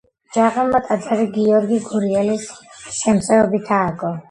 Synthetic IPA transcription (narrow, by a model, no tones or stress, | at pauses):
d͡ʒaqʼɛmːat̪ʼad̪zaɾiɡiɔɾɡiɡuɾiɛlisʃɛmt̪sʼɛɔbit̪ʰaːɡɔ